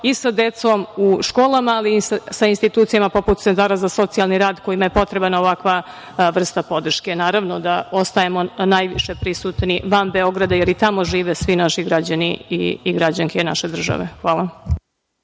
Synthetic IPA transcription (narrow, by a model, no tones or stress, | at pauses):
isad̪e̞t̪so̞muʃko̞ːlamaːlisainst̪it̪uːt̪sijamapo̞put̪t̪ent̪aːɾazaso̞t̪sijalˠniɾaːd̪ko̞jimajepo̞t̪ɾebanaoʋakʋa | ʋr̩st̪apo̞d̪r̩ʃke̞naːɾaʋno̞d̪ao̞st̪ajemo̞najʋiʃepɾisuːt̪niʋambeo̞ɡɾad̪ajeɾit̪amo̞ʒiːʋesʋinaʃiɡɾad͡ʑaniḭiɡɾad͡ʑaŋkʰeina̰ʃed̪r̩ʒa̰ʋḛxʋaːlˠa